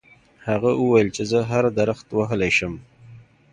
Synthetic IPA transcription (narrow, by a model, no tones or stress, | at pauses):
haɣaʔəwajəlt͡ʃezəɦaɾd̪aɾaxt̪waɦəlajʃəm